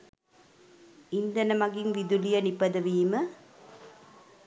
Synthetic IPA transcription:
ind̪ɐnɐmɐɡinʋid̪ulijɐnipːɐd̪ɐʋiːmɐ

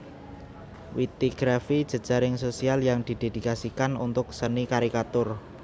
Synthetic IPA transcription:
wit̪iɡ̥ɾafid̥ʒ̥ə̤d̥ʒ̥a̤ɾɪŋsosialjaŋd̪̥i̤d̪̥e̤d̪̥i̤kasikanṵnt̪ʊksənikaɾikat̪ʊr

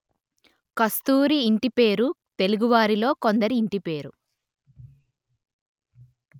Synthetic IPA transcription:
kɐst̪uːɾiːɳʈipe̞ːɾut̪e̞luɡuʋaːɾilo̞ːko̞nd̪ɐɾiːɳʈipe̞ːɾu

